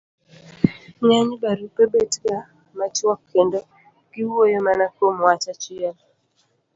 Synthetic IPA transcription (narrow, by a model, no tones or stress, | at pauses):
ɲaɲbaɾupebetɡa | mat͡ʃɔkʰːendo | ɡɪwojomanakomwat͡ʃat͡ʃɪɛl